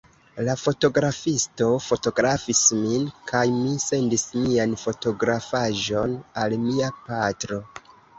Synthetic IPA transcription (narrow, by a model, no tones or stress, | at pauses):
lafo̞to̞ɡɾafisto̞fo̞to̞ɡɾafisminkʰajmise̞ndismianfo̞to̞ɡɾafaʒo̞nalmiapatɾo̞